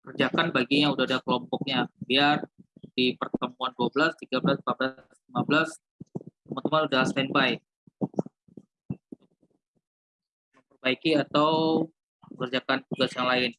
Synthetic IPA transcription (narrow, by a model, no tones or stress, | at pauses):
kərd͡ʒakanbaɡiɲaudahadakəlɔmpɔk̚ɲabiardipərt̪əmuanduabəlast̪iɡabəlaspablaslimabəlas | t̪əmənt̪əmanudast̪ɛnbaɪk̚ | bərbaikiat̪aw | kərd͡ʒakant̪uɡasjaŋlaɪn